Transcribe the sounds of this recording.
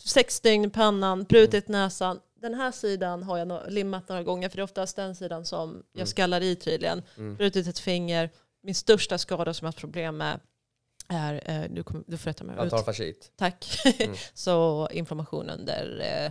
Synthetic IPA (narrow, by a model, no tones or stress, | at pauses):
sɛkst̪ʏŋnpʰanːanbɾʉ̟ːt̪ɪt̪nɛːsan | d̪ɛnɦæːʂiːd̪anɦaɾjanlɪmːat̪̚noːɾaɡɔŋːəɾfœɖɛɔft̪ast̪̚d̪ɛnsiːd̪ansɔmjɑːɡskalːaɾit̪ʰyːd̪lɪɡə̰nbɾʉ̟ːt̪ɪt̪ɛt̪fɪŋːəɾ | mɪnst̪œʂʈaskɑːd̪asɔmjahat̪pʰɾʊbleːmːɛ̰ | æɾd̪ɵ̰kʰɔmd̪ɵfoːjat̪ʰa̰mɛ̰ʉːfaʂḭt̪t̪ʰakː | sɔɪ̰nflaɾmaɧṵːnɵ̰nd̪ə̰ɾ